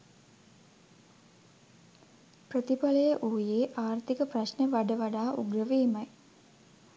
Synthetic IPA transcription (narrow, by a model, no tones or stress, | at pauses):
prət̪ipaləjəʔuːjeːʔaːrt̪ikəprɐɕnəʋaɖəʋaɖaːʔṵɡrəʋeːmɐj